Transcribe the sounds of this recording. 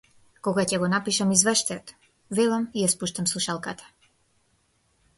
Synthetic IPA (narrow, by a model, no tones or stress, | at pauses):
kɔɡacɛɡɔnapiʃamizvɛʃt̪ajt̪ | vɛlˠamijaspuʃt̪amslˠuʃalˠkat̪ḁ